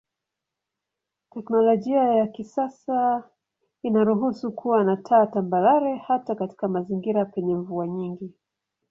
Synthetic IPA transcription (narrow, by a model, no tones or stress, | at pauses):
tɛknɔlɔʄiajakisasa | inaɾuɦusukʰuwanatʰaːtambaɾaɾɛhatakati̥kamaziŋɡiɾapɛɲɛɱvuaɲiŋɡi